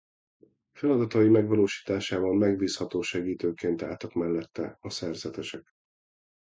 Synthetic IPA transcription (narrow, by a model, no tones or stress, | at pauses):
fɛlɒd̪ɒt̪ɒimɛɡvɒloːʃi̥ːt̪aːʃaːvɒlmɛɡbiːshɒt̪oːʃɛɡiːt̪øːkeːnt̪a̰ːt̪ɒkmɛlːɛt̪ːɛ̰ɒsɛrzɛt̪ɛʃɛk